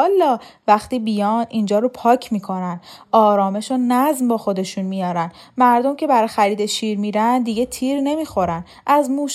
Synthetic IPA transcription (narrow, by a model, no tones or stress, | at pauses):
ɒlːɒːvæxt̪iːbijɒːnʔind͡ʒɒːɾopʰɒːcʰmiːkʰo̞nænɒːɾɒːme̞ʃonæzmbɒːxo̞d̪e̞ʃunmijɒːɾæn | mæɾd̪o̞mcʰe̞bæɾɒːjxæɾiːd̪eʃiːɾmiɾænd̪iɟet̪ʰiːɾne̞miːxo̞ɾæn | ʔæzmuːʃ